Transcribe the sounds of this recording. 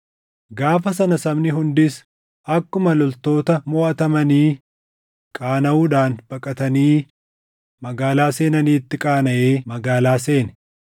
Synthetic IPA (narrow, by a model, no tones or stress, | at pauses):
ɡaːfɐs̬ɐnɐsɐbnɪɦʊnd̪ɪs | ʔɐkːʊmɐlɔlt̪o̞ːt̪ɐmɔːʔɐt̪ɐmɐniː | kʼaːnɐuːd̪aːnb̥ɐkʼɐt̪ɐniː | mɐɡaːlaːse̞ːnɐniːt̪ːɪkʼaːnɐʔeːmɐɡaːlaːse̞ːnɛ̥